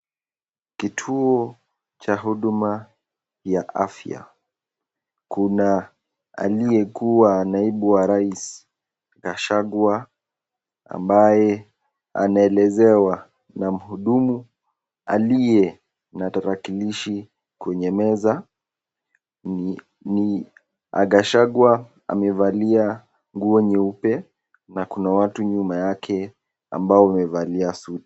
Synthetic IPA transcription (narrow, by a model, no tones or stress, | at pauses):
kitʰuɔ | t͡ʃaɦuɗuma | jaʔa̰fja̰ | kuna | a̰lijɛkuwanaiɓuwaɾais | ɣaʃaɡwa | a̰mbajɛ | a̰naɛlɛzɛwa | nam̩huɗumu | a̰lijɛ | nataɾakiliʃi | kwɛɲɛmɛza | ni | a̰ɡaʃaɡwa | a̰mɛvalia | ŋɡuɔɲɛupɛ | nakunawatuɲumajakʰɛ | a̰mbaɔamɛvaliasuti̥